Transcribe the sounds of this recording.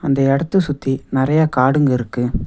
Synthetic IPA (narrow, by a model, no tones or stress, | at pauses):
ɐnd̪ɐɛɽɐt̪ːɯsʊt̪ːinɪɾɐjaːkaːɽɯŋɡɐɪɾɯkːɯ